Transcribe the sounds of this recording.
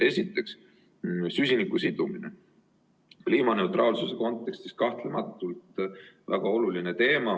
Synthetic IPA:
e̞sʲit̪ːˑe̞ks | sysʲinikːusid̪̥uminḛ | kliːmɑne̞ut̪rʔɑːlsuse̞ko̞nt̪ːˑe̞kst̪is̚kɑht̪lemɑt̪ːˑult̪væɡ̥ɑo̞lulinet̪e̞ːmɑ

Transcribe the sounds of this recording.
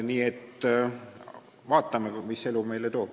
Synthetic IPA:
niːet̪ː | vɑːt̪ːˑɑmemise̞lume̞jlet̪o̞ːb̥

